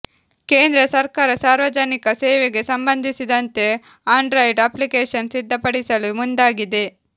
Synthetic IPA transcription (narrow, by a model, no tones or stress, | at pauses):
keːnd̪ɾɐsɐɾkaːɾɐsaːɾʋɐd͡ʒɐnikɐseːʋeɡe̞sɐmbɐnd̪ʱisid̪ɐnt̪e̞ | aːɳɖɾɐjiɖɐplikeːʂɐnsid̪ʱːɐpɐɽisɐlumund̪aːɡid̪e̞